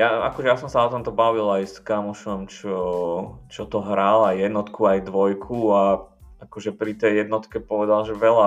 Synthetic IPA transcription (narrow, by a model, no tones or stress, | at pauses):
jaa̰kɔʒɛjasɔmsaɔt̪ɔmt̪ɔbaʋilajskamɔʃɔmt͡ʃɔt͡ʃɔt̪ɔɦɾalajjɛd̪nɔt̪kʰuajd̪ʋɔjkʰuaakɔʒɛpɾit̪ɛjjɛd̪nɔt̪kɛpɔʋɛd̪alʒɛʋɛla